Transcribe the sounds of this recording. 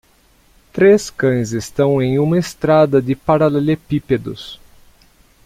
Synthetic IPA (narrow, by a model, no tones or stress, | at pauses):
t̪ɾeskɐ̃j̃zest̪ɐ̃w̃ẽj̃ũmɐest̪ɾad̪ɐd̪ɪpaɾalɛlepiped̪ʊ̰s